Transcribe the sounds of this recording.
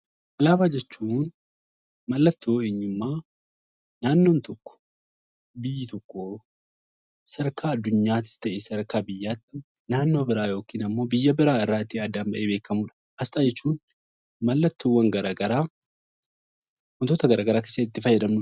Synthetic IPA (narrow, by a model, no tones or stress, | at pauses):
ʔɐlaːbaːd͡ʒɛt͡ʃːuːn | mɐlːɐt̪ːoːeːɲːʊmːaː | naːnːo̞ːnt̪ɔkːɔ̥ | bɪjːɪt̪ɔkːo | sɐɾkaːɐd̪ːʊɲːaːt̪ːɪ̥st̪ɐʔesɐɾkaːbɪjːaːt̪ːɪnaːnːo̞ːbɪɾaːjo̞ːkiːnɐmːo̞ːbɪjːɐbɪɾaːɪrːaːɪt̪ːiɐd̪ːambɐʔeːbe̞ːkːɐmuːᶑɐ̥ | ʔɐst̪ʼaːd͡ʒɛt͡ʃːuːn | mɐlːɐt̪ːoːwɐŋɡɐɾaɡɐɾaː | wɐnt̪oːt̪ɐɡɐɾaːɡɐɾaːkeːsːɐɪt̪ːɪfɐjːɛd̪ɐmnʊ